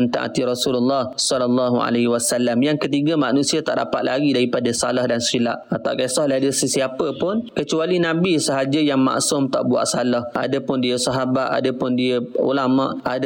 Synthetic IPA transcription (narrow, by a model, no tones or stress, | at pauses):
ənt̪a̰ŋʔa̰t̪iɾɔsululːɑhsɔlalːɑɦua̰leɦwasalːamjaŋkət̪iɡəmanũsiat̪a̰ʔda̰pat̪̚lʔa̰ɡidaɾipadasalahdansila̰ʔat̪a̰wkasɔhləadəsəsiapəpʊnkət͡ʃualinãbisəɦad͡ʒəjaŋma̰ʔsʊmt̪a̰ʔbua̰ʔsalahʔa̰dəpʊndiəsaɦabat̪a̰dəpʊndiəṵlamã̰ʔad